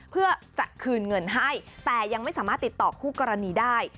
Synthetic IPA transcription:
pʰɯ˥˩ɐt͡ɕa˨˩ʔkʰɯː˧nŋɤ˧nɦa˥˩jt̪ɛː˨˩ja˧ŋma˥˩jsaː˩˦maː˥˩t̪ːi˨˩t̪ːɔː˨˩kʰuː˥˩kɔː˧ɾa˧niː˧daː˥˩j

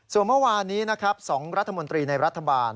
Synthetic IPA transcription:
su˨˩nmɯ˥˩waː˧nːiː˦˥na˦˥kʰɾa˦˥p̚sɔː˩˦ŋɾa˦˥t̪ʰːa˧mo˧nt̪ɾiː˧na˧jɾa˦˥t̪ʰːa˧baː˧n

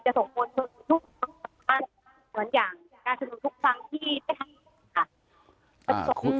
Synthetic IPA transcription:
t͡ɕa˨˩so˨˩ŋmʰu˧nsʰo˧nu˨˧˩t̪ʰu˦˥k̚a˧˩a˧˥˩ŋ | mɯ˨˩˦ənjaː˨˩ŋ | kaː˧nsa˧nu˨˩˦t̪ʰu˦˥k̚fa˧ŋt̪ʰiː˥˩daː˥˩jt̪ʰa˧m˧˩kʰa˧˥˩ | ka˧˩t͡ɕa˨˩˨so˨˩ŋkʰu˧

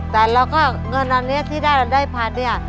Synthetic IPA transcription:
t̪ɛː˨˩la˧wkɔː˥˩ | ŋɤ˧nʔa˧nːi˦˥ɐ˨t̪ʰiː˥˩daː˥˩˨daː˥˩jpʰaː˧˩t̪̚ni˦˥˩ɐ˨

